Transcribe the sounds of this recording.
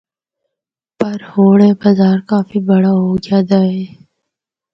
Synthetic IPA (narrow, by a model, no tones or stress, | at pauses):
pɐɾhoːɽẽbɐzaːɾkaːfibɐɽaɦoːɡjaːd̪aːeː